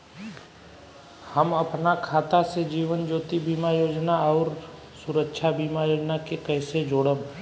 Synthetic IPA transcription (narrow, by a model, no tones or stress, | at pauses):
həmɐpnakʰaːt̪ased͡ʒiːʋənd͡ʒoːt̪ibiːmajoːd͡ʒnaɔːɾ | sʊɾəkʃʰabiːmajoːd͡ʒnakekɛːsed͡ʒoːɽəm